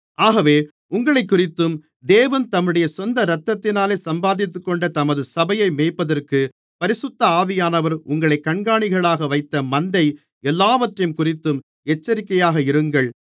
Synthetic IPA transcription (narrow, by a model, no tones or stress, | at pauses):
ʔaːɣɐʋeː | ʊŋɡɐɭɐɪk̬ːʊrɪt̪ːɯm | d̪eːʋɐnt̪ɐmːɯɽɐjɐsɔnd̪ɐɾɐt̪ːɐt̪ːɪnaːleːsɐmbaːðɪt̪ːɯkːɔɳɖɐt̪ɐmɐðɯsɐbɐjɐɪmeːpːɐðɐrkɯ | pɐɾɪsʊt̪ːɐaːʋɪjaːnɐʋɐɾʊŋɡɐɭɐɪkːɐɳɡaːɳɪɣɐɭaːɣɐʋɐɪt̪ːɐmɐnd̪ɐɪ | ɛlːaːʋɐʈːrɐjɯmkʊrɪt̪ːɯm | ɛt͡ʃːɐɾɪkːɐjaːɣɐɪɾɯŋɡɐɭ